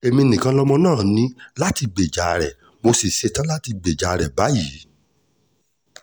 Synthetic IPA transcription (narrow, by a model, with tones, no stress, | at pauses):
e˧mĩ˧nĩ˨kã˧˦lɔ˦mɔ̃˧nãː˦˨nĩ˦la˦ti˧ɡ͡be˨d͡ʒa˨˧ɾɛ˨ | mo˧si˨ʃe˧tã˦la˦ti˧ɡ͡be˨d͡ʒa˨˧ɾɛ˨ba˨˦ji˨˦